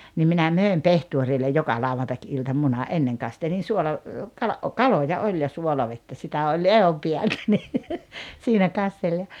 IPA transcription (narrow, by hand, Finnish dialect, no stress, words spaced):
nim minæ møˑem pehtuorilːej jokɑ lɑuʋɑntɑkiltɑ munɑ ʔenːeŋ kɑstelin̞ suolɑ kɑlɑ ʔo kɑlojɑ olʲ jɑ suolɑʋetːæ sitæ olʲ ehompiæltæ ni siːnæ kɑstel jɑ